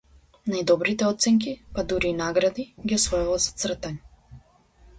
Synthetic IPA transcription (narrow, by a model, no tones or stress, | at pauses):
najd̪ɔbɾit̪ɛɔt̪sɛŋk̬ipad̪uɾiːnaɡɾad̪iɡʲiɔsvɔjuvalzḁt̪sr̩t̪aɲɛ